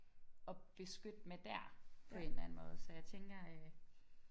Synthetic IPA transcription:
ɒ̽b̥e̝sɡ̥ød̥med̥æɐ̰pʰɒ̽e̝nlæn̩mɔ̽ːð̞̩ˠsɒjɑ̈ɪt͡sʰeŋɡ̥ɐ

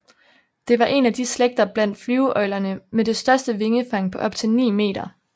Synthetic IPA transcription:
d̥e̝ʋɑ̈ʔe̝næd̥isleɡ̥̚d̥ɐb̥læn̰d̥flyːʊʔɒ̽ɪlɐnəmede̝sd̥ɶɐsd̥əʋe̝ŋəfɑ̈ŋ̰pʰɒ̽ʔɒ̽b̥̚t͡sʰe̝lnḭːme̝̰ːd̥ɐ

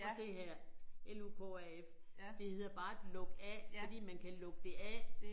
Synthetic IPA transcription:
sʰe̝̰ːɦæɐ̰eluːkʰo̰æef | d̥e̝he̝ð̰ˠɐb̥ɑ̈ːed̥lɔ̽ɡ̥əæɒ̽d̥ḭːmænkʰælɔ̽ɡ̥əd̥e̝ʔæ

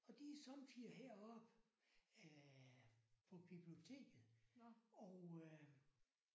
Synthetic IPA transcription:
ɒ̽d̥isɒ̽mfʰiɐɦeɐ̰ɒ̽b̥ | pʰɒ̽b̥ib̥lio̝t͡sʰe̝̰ːɡ̥ð̩ˠ | ɒʊ

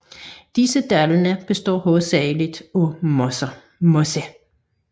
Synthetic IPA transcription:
d̥isəd̥ælənəb̥e̝sd̥ɔ̰ːɦɔːð̩ˠsɛɪlid̥ɔm | mose

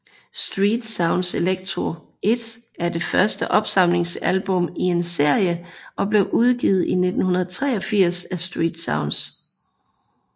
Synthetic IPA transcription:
sd̥ʁiːd̥sɑ̈ʊnd̥seleɡ̥̚t͡sʰʁo | e̝d̥æɐd̥e̝fɶɐsd̥əʔɒ̽b̥sɑ̈m̰le̝ŋsælb̥ɔ̽mie̝nse̝ɐ̰jəʔɒ̽b̥le̝ʊʔuð̞ˠɡ̥iːð̞̩ˠine̝d̥n̩hunɐð̞̩ˠt͡sʰʁɛ̰ːɒ̽fiɐ̰sæsd̥ʁḭːd̥sɑ̈ʊnd̥s

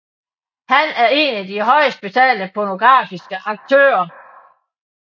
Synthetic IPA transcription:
hænæɐe̝ːnæd̥iɦɒ̽ɪsd̥̚b̥e̝t͡sʰɛ̰ːləpʰɒno̝ɡ̥ʁɑ̰̈ːfisɡ̥əʔɑ̈ɡ̥̚t͡sʰø̰ːɐ

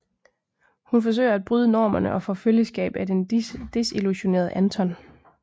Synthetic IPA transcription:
hunfɒ̽s̬ø̰ɪɐæd̚b̥ʁyːð̞ˠənɒ̰ːmɐnəʔɒ̽fɔ̽ːføljəsɡ̥ɛ̰ːb̥æd̥end̥e̝siluɕo̝ne̝̰ːɐð̞ˠəʔænt͡sʰɒ̽n

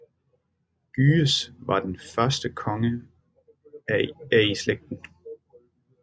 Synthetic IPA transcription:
ɡ̥yːəsʋɑ̈d̥enfɶɐsd̥əkʰɒ̽ŋə | æisleɡ̥̚d̥n̩

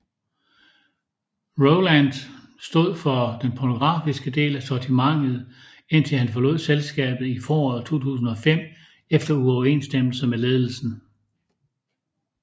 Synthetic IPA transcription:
ʁoʊlænd̥sd̥o̝ð̞̰ˠfɒ̽d̥enpʰɒno̝ɡ̥ʁɑ̈ːfisɡ̥əd̥e̝̰ːlæsɒt͡sʰimɑ̈ŋ̰ð̩ˠ | e̝n̰t͡sʰelhænfɒ̽lɔ̰ð̰ˠselsɡ̥ɛ̰ːb̥ð̞̩ˠifɒːɒːð̩̰ˠt͡sʰo̝̰ːt͡sʰṵːsn̩ɒ̽fem̰ | efd̥ɐuɒʊɐe̝̰ːnsd̥em̰l̩səmele̝ːð̞ˠl̩sn̩

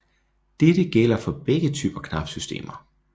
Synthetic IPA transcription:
d̥edəɡ̥el̰ɐfɒ̽b̥eɡ̥ət͡sʰy̰ːb̥ɐkʰnɑ̈fsysd̥e̝̰ːmɐ

